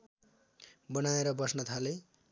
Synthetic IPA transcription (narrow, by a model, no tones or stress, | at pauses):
bʌnaeɾʌbʌsnʌt̪ʰale